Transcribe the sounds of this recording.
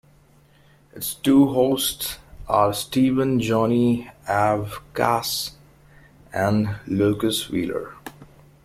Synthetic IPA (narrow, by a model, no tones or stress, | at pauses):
ɪtsʈuːɦoːstsəɾsʈiːʋə̃nd͡ʒɔːniævkæs | æ̃nlukəswḭːlə̰ɹ